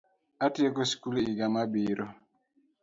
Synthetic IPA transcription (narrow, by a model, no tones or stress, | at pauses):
atiekoskuliɡamabiːɾo